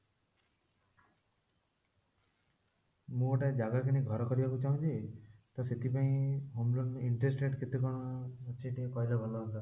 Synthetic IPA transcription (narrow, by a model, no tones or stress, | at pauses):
mũoʈaed͡ʒaɡakiniɡʱɔɾɔkɔɾibakut͡ʃaũt͡ʃʰit̪ɔset̪ipaĩɦomloɳiɳʈɾesʈeʈket̪ikɔɽ̃ɔt͡ʃʰiʈiekɔjlɔbʱɔlaɦ̪t̪a